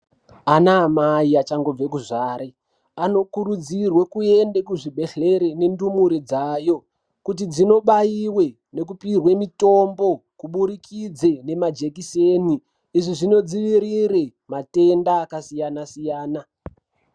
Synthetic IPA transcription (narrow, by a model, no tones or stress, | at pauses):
anaːmaiat͡ʃaŋɡo̞b͡vek̬uʐaːɾe | ano̞kuɾud͡zirwekue̞ndekuʐibʱe̞ɬe̞ɾe̞ne̞ndumuɾid͡zajo̞ | kut̬id͡zino̞ɓajiwe̞ | ne̞k̬upirwe̞mito̞mbo̞kuɓuɾikʰid͡ze̞ne̞mad͡ʒe̞kiseniː | ʐiʐino̞d͡ziʋiɾiɾe | mate̞ndaːkasijanasijaːna